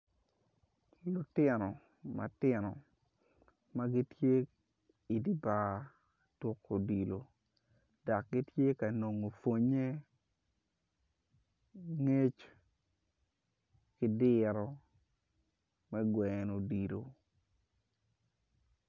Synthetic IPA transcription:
lʊ˨tɪ˦nɔ˨ | ma̰˨tɪ˦nɔ˨ | ma˦ɡi˦tje˦ | i˨di˨ba˦ | to˦kːo˨di˨lo˨ | da˨k̚ɡi˦tje˦ka˨no˨ŋo˨fo˦ɲe˦ | ŋe˦t͡ʃ | kɪ˦dɪɾɔ˦ | mɛ˦ɡwɛ˨no˨di˨lo̰˨

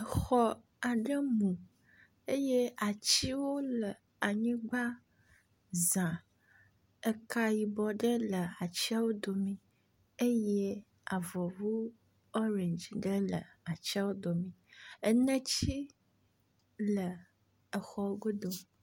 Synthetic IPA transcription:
ə˨xɔ˦ | a˨ɖə˦mũ˨ | e˦je˦a˨t͡ɕi˦wo˦lə˨ | a˨ɲĩ˦ɡ͡ba˦ | zã˨ | ə˦ka˦ji˨bɔ˨ɖə˦lə˨a˨t͡ɕi˦a˦wo˦d̪o˨mĩ˨ | e˦je˦ | a˨vɔ˨vu˦ | ɔ˦ɾe˨nd͡ʒi˨ɖə˦lə̰˨a˨t͡ɕi˦a˦wo˦d̪o˨mĩ˨ə˦nə̃˦t͡ɕi˦ | lə˨ | ə˨xɔ˦wo˦ɡo˦d̪o˨

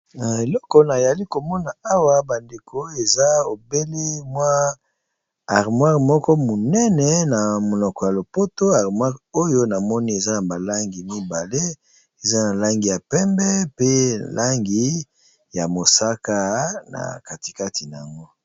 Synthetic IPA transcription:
e˨lɔ˦kɔ˨na˨ja˨li˦ko˨mɔ˦na˨a˦wa˨ba˨nde˨kʰo˨˦e˨za˦o˨be˦li˦mwa˦ | a˨ʁmwa˦ʁmɔ˦kɔ˦mo˨nɛ˦nɛ˦na˨mo˨nɔ˨kɔ˨ja˨lo˨po˦to˦a˨ʁmwa˦ʁo˦jo˦na˨mɔ˦ni˦e˨za˦na˨ba˨la˦ŋɡi˨mi˦ba˨le˦ | e˨za˦na˨la˦ŋɡi˨ja˨pɛ˦mbɛ˦pe˦lʔa˦ŋɡi˨ | ja˨mo˨sa˦ka˦na̰˨ka˨ti˨ka˦tʰi˨na˨a̰˨ŋɡo˦

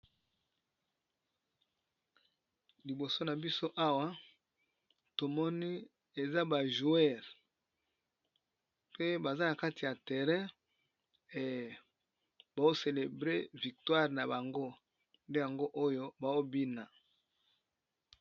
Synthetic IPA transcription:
li˨bo˨so˦na˨bi˦so˦ʔa˦wa˦ | to˨mɔ˦ni˦ | e˨za˦ba˨ʒu˨ɛ˦˨ʁ | pe˦ba˨za˦na˨ka˦ti˨ja˨tɛ˨ʁɛ̃˦ | e˨ | ba˨o˦se˨le˨bʁe˦vi˨k̚twa˦ʁna˨ba˨ŋɡo˦ | nde˦ja˨ŋɡo˦ʔo˦jo˦ba˨o˦bi˦na˨

